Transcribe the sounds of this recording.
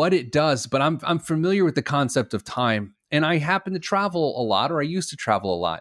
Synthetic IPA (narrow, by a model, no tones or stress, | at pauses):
wʌɾɪt̚d̥ʌzbʌɾãɪ̃mã̰ɪ̃ɱfəmɪlˠjə˞wɨðɨkʰɑ̃nsɛp̚tʌv̥tʰãɪ̃m | ɨ̃ñaɪɦæpn̩tɨtʰɹ̥ævl̩ˠə̰lɔ̰ɾə˞aɪjʉstɨtʰɹ̥æ̰vl̩ˠə̰lɔ̰t̚